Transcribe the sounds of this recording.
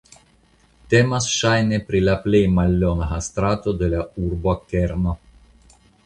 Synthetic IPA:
t̪emasʃajnepɾilaplejmalːonaɦast̪ɾat̪od̪elaurboakeɾno

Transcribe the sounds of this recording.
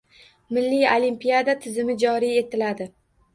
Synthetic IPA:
mɪlːijolimpijad̪at̪ʰɪzɪmɪd͡ʒɒɾije̞t̪ʰɪlad̪ɪ

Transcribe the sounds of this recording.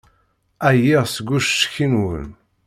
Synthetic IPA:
æjiʁsəɡʷːuʃʃçinwə̰n

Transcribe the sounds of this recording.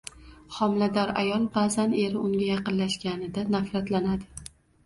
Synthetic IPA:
χɒmlad̪ɒɾa̰jɒlˠbazane̞ɾɪʊŋɡʲajɑqɨnlaʃɡʲanɪd̪anafɾat̪lanad̪ɪ

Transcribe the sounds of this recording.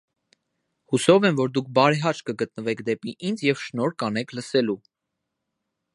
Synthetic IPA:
husɔvɛnvɔɾd̪uk̚ʰbɑɾɛɦɑt͡ʃkəɡət̪̚nəvɛkʰd̪ɛpiʔind͡zjɛvʃnɔɾkɑnɛkʰləsɛlu

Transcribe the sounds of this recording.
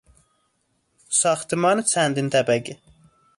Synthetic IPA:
sɑχt̪ɨmɑnt͡sʰænd̪int̪æbæɡi

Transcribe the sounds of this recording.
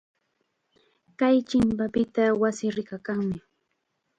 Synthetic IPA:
kajt͡ʃɪmpapɪt̪awasɪɾɪkakaŋmɪ

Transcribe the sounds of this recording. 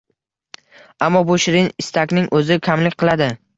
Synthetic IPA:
amːɒbʊʃɪɾɪnɪst̪ʰakʲnɪŋʔɵzɪkʲʰamlɪkʲqʰɨlˠad̪ɪ

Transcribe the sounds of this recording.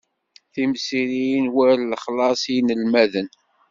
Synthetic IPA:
θimsiɾijnwæɾləχlɑsˤnəlmæðən

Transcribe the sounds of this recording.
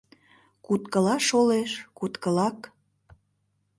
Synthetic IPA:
kut̪kə̆lɑʃoleʃkut̪kə̆lɑk

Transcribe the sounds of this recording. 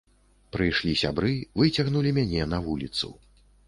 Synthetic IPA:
pɾɨjʂlʲisʲa̰bɾɨvɨt͡sʲɐɣnulʲimʲanʲɛnɐvulʲit̪sṵ

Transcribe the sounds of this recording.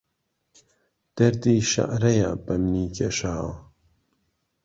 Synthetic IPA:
d̪̥ɐɾd̪iːʃɐ̰ʔɾɐja̰bɐmniːkʰɐʃaːw

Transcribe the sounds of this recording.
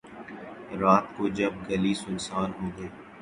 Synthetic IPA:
ɾaːt̪̚kod͡ʒɐb̚ɡɐlisʊnsaːɾɦoːɡɐeː

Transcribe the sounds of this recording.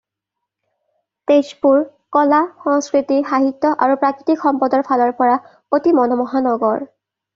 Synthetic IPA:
tespuɹkɔlaxɔŋskɹitixaɦitːɔʔaɹupɹakɹitikxɔmpɔdɔɹpʰalɔɹpɔɹa | otimɔnɔmɔɦanɔɡɔɹ

